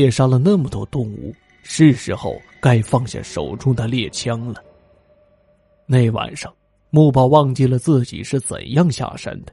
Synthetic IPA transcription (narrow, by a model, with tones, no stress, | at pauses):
ɛ˥˩ʂa˥lə˨na˥˩mə˨˩t̪wɔ˥t̪ʊ˥˩ŋṵ˥˩ | ʂɻ̩˥˩ʂɻ̩˧˥xo˥˧ʊ | ka˥ɪfɑ˥˩ŋɕja̰˥˩ʂo̰˨˩ʊʈ͡ʂʊ˥ŋd̪ə˨ljɛ˥˩t͡ɕʰjɑ˥ŋlə˨ | ne˥˩ɪwa̰˨˩nʂɑ˥˩ŋ | mu˥˩p̬jɑ˥˧ʊwɑ˥˧ŋt͡ɕi˥˩lə˩t͡sɹ̩˥˩t͡ɕḭ˨˩ʂɻ̩˥˩t͡sə̰˨˩njɑ˥˧ŋɕja̰˥˩ʂa̰˥nd̪ə̥˩